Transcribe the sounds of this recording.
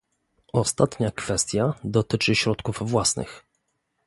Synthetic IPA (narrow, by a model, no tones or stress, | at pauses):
ɔst̪at̪ɲakfɛst̪ʲjad̪ɔt̪ɘt͡ʂɘɕɾɔt̪kuvvwasnɘ̰x